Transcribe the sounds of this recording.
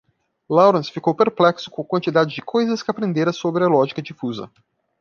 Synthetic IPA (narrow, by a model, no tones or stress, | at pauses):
lawɾɐ̃sfikowpeɾplɛksʊ̥kõkwɐ̃nt͡ʃid̪ad͡ʒɪd͡ʒɪkʰojzɐskɪapɾẽnd̪eɾɐsobɾɪɐlɔʒikɐd͡ʒifuzɐ̰